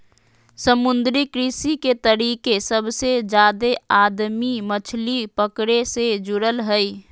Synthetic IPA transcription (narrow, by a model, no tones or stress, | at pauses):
səmʊnd̪ɾikɾisiket̪əɾiːkesəbsed͡ʒaːd̪eaːd̪mimət͡ʃʰlipəkɽesed͡ʒʊɾəlɦəi